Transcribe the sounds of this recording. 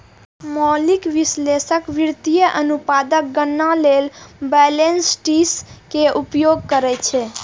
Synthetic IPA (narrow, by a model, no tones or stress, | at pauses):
mɔlikʋɪsleʃəkʋɪɾt̪ijəʔənupad̪ək̚ɡənːãlelbɛlensʈiskeʔupjoɡ̚kəɾet͡ʃʰe